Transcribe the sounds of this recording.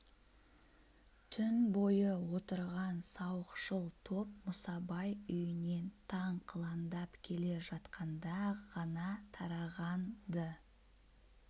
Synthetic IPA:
t̪ʰʏnbo̞jəwo̞t̪əɾʁɑnsɑwəqʃəlˠt̪ʰo̞p̚mʊsɑbɑjʏjɪne̞nt̪ʰɑɴqʰəlˠɑnd̪ɑpkʲʰe̞le̞ʒɑt̪qɑnd̪ɑʁɑnɑt̪ʰɑɾɑʁɑnd̪ə

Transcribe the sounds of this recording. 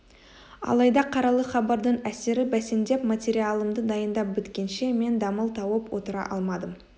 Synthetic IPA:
ɑ̰lˠɑjd̪ɑqʰɑɾɑlˠəχɑbɑɾd̪əɴæse̞ɾɪbæse̞nd̪e̞pmat̪ʲe̞ɾialˠəmd̪əd̪ɑjənd̪ɑp̚bʏt̪kʲe̞nʃe̞me̞nd̪ɑməlˠt̪ʰɑwəpwo̞t̪əɾɑ̰ʔɑ̰lˠmɑd̪əm

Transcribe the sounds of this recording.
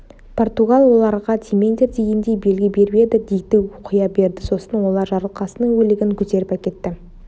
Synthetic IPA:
pʰo̞rt̪uɡɑlˠwo̞lˠɑɾʁɑt̪ʲʰimend̪ʲeɾt̪ʰeɡʲend̪e̞jbe̞lɡʲɪbe̞ɾbe̞d̪ɪd̪ejt̪ɪoqʰəjɑbe̞ɾd̪ɪso̞sənwo̞lˠɑɾʒɑɾlˠəqɑsənəɴwɵlɪɡʲɪŋkʲʰʏt̪e̞ɾɪpækʲe̞t̪ːɪ

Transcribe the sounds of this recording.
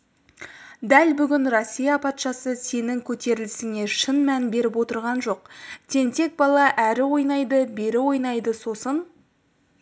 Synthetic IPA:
d̪ælbʏɡʲɪnro̞sʲːijɑpʰɑt̪ʃɑsəse̞nɪŋkʲʰɵt̪e̞ɾɪlɪsɪŋe̞ʃənmænbe̞ɾɪpwo̞t̪əɾʁɑnʒo̞q̚t̪ʰe̞nt̪e̞k̚bɑlˠɑʔæɾɪwo̞jnɑjd̪əbe̞ɾɪwo̞jnɑjd̪əso̞sən

